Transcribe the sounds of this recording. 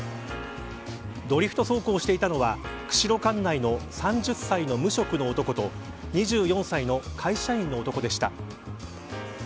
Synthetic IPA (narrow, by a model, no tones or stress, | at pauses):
d̪o̞ɾʲiɸɯ̟̥t̪o̞so̞ːko̞ːɕi̥t̪e̞it̪ano̞βakɯ̟̥ɕiɾo̞kãnːaino̞sãɲ̟d͡ʑɨsːaino̞mɯ̟ɕo̞kɯ̟no̞ːt̪o̞kot̪o̞ | ɲ̟iʑɨːjõɰ̃saino̞kʰaiɕaĩnːo̞ːt̪o̞ko̞d̪e̞ɕi̥t̪a̰